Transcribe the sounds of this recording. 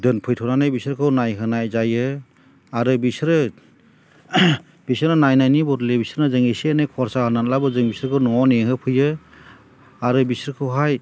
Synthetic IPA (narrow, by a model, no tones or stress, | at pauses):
dɯnpʰɯjtʰɔnanajbisɾkʰɯwnajɦɯnajzajɯ | aɾɯbisɾɯ | bisɯɾnanajnajnibɔɾlebisɾnazɯŋisenajkʰɔɾsahananlabɯzɯŋbisɾɯkʰɯwnɔneŋɦɯpʰɯjɯ | aɾɯbisɾɯkʰɯwɦaj